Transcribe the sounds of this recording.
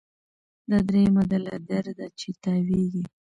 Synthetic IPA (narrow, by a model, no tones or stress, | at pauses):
d̪ad̪ɾemad̪ala̰d̪aɾd̪at͡ʃet̪aweɡi